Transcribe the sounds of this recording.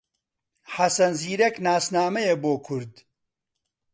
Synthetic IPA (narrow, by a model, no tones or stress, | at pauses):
ħɐsɐnziːɾeknaːsnaːmɐjeboːkʰʊɾd̪